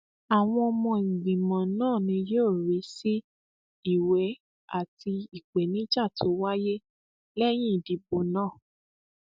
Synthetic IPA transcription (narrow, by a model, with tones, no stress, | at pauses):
a˨w̃ɔ̃˧ɔ˧mɔ̃˧ŋ̩˨ɡ͡bĩ˨mɔ̃˨nãː˦˨nĩ˧joː˦˨ɾi˨˦si˦ | i˦˨wɛ˨˦ | a˦˨ti˧i˨ɡ͡be˨nĩ˦d͡ʒa˦˨tʰo˨˦wa˦je˦ | lɛ˦j̃ĩ˦˨di˨˦bo˧nãː˦˨